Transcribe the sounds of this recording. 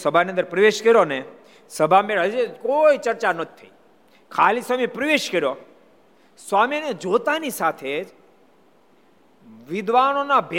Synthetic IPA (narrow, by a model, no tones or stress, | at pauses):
səbʱaniənd̪əɾpɾəʋeʃkəɾjone | səbʱameɭɦəd͡ʒekoit͡ʃəɾt͡ʃanət̪ʰi̥tʰːə̰i | kʰalisamipɾəʋeʃkəɾjo | sʋamined͡ʒot̪anisat̪ʰed͡ʒ | ʋɪd̪ʋanonabʱe